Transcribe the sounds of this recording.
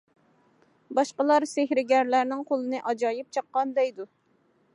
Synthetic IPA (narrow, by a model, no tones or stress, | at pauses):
bɑʃqəlˠɑɾsɪhɾɪɡʲæɾlæɾnɪŋqʰolˠɨnɨʔɑd͡ʒɑjɪp̚t͡ʃʰɑqːɑnd̪ɛjd̪u